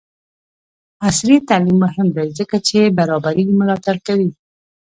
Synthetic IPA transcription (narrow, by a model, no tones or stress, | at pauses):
asɾit̪alimːʊɦɪmd̪ajzəkat͡ʃebaɾɑbaɾiɡimʊlɑt̪aɽkawi